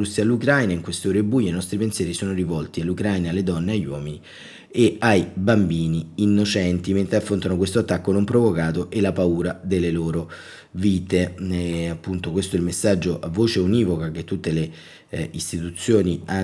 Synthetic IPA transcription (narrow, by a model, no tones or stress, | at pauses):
usːialːukɾajnaiŋkwest̪eɔːɾeebujainɔst̪ɾipensjɛːɾisoːnoɾivɔlt̪ialːukɾajnaalːed̪ɔnːeaʎːwɔːmini | eajbambiːniinːot͡ʃɛnt̪iment̪ɾeafɾont̪anokwest̪oat̪ːakːonompɾovokaːt̪oʔelapauːɾad̪elːeloːɾo | viːt̪eapːunt̪okwest̪oɛilmesːad͡ʒːoʔavːoːt͡ʃeuniːvokaket̪ːut̪ːele | ist̪it̪ut̪sːjoːnia